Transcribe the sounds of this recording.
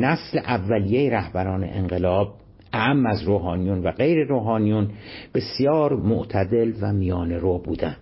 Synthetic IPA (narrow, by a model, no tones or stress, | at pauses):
næsleʔævːælijejeɾæhbæɾɒːnḛʔenɢelɒːb̥̚ | ʔæʔæmːæzɾoːɦɒːnijunvæɢe̞jɾeɾoːɦɒːnijunb̥e̞sjɒːɾmoʔt̪ʰæd̪e̞lvæmijɒːne̞ɾoːbṵːd̪æn